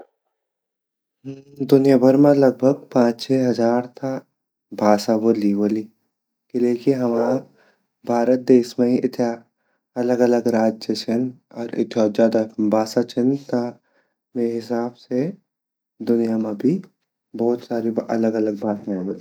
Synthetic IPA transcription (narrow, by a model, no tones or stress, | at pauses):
d̪ʊnijabʱəɾmẽlɐɡ̚bʱəɡ̚pãːt͡ʃt͡ʃʰɛːɦɐzaːɾt̪ʰa | bʱaːsaboːliboːli | keleːkiɦɐmaː | bʱaːɾət̪̚d̪eːʃmẽiʔɪt̪ʰja | ɐləɡɐləɡɾaːd͡ʒjət͡ʃʰɪnɔːɾɪ̰t̪ʰjoːzjaːd̪abʱaːsat͡ʃʰɪnt̪a | meːɾɦɪsaːbse | d̪ʊnijamãbʱi | bɔːt̪saːɾiɐ̰ləɡɐləɡ̚baːt̪ɛ̃m